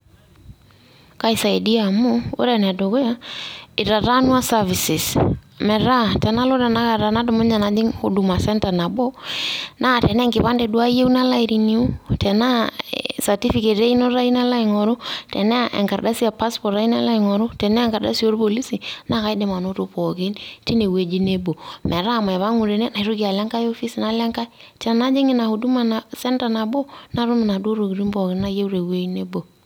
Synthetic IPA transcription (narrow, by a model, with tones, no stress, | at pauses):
ka˨isa˨i˨di˦a˨mo˦o̰˦ɾɛ˨nɛ˨do˨ko˦ja˦ɪ˨ɾa˨ɾa˦nwa˦sa˦vi˨si˨smɛ˨ɾa˦tɛ˨na˦lo˦ɾa˨na˦ka˨ɾa˨na˦do˨mo˦ɲa˨na˦di˦ŋo˨du˨ma˨sɛ˦nta˨na˨bɔ˦na˦˨tɛ˨nɛ˦ŋɡɪ˨βa˦ndɛ˨dwa˦je˦u˦na˦la˦i˨ɾi˨ni˨u˦tʰɛ˨na˦sa˨ti˦fi˨ke˨ɾe˦i˦no˦ɾa˦i˦na˦la˦i˨ŋɔ˨ɾo˦tɛ̰˨ne˦˨ʔḛ˨ŋka˨ɾda˦si˦a˨pa˦spɔ˨ɾa˦i˦na̰˦la˦i˨ŋɔ˨ɾʊ˦tɛ˨nɛ˦˨ŋka˨ɾda̰˦si˦o˦ɾpo˨li˦si˨na˦˨ka˦jde˨ma˨no˦to˦pɔ˨ke˦nti˦ne˨we˨d͡ʒi˦ne˦bo˨mʔɛ˨ɾa˦˨ma˨ɛ˨βa˦ŋu˨ɾe˨ne˦na˨i˦ɾu˦ki˨a˨lɛ˦ŋka˦jo˦fi˦si˨na˦lɛ˦ŋka˦itɛ˨na˦d͡ʒe˦ŋi˦˨na˨hu˨du˦ma˨na˨sɛ˦nta˨na˨bo˦na˦ɾu˦mi˨na˨du˦o˦ɾo˨ki˨ɾi˦mbɔ˨kɪ˨na˦je˦wɾe˨we˦i˦ne˦bo˨